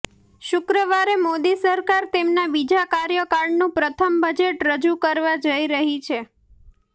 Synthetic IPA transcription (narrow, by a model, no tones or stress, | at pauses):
ʃʊkɾəʋaɾemod̪isəɾkaɾt̪emnabid͡ʒakaɾjəkaɾɖnũpɾət̪ʰəmbəd͡ʒeʈɾəd͡ʒukəɾʋad͡ʒəiɾəɦit͡ʃʰe